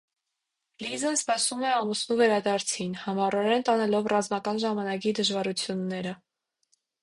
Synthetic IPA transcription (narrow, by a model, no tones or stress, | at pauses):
lizənspɑsumɛɑmusnuvɛɾɑd̪ɑɾt͡sʰinhɑmɑɾɔɾɛnt̪ɑnɛlɔvrɑzmɑkɑnʒɑmɑnɑk̬id̪əʒvɑɾut͡sʰjunːɛɾə